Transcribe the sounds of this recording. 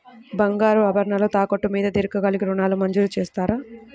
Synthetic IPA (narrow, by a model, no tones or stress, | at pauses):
bɐŋɡaːɾuɐbɐɾɐɳɐloːt̪aːkoʈːumiːd̪ɐd̪eɾɐkːɐɡɐlikiɾunaːlumɐɲd͡ʒuɾut͡ʃeːst̪aːɾaː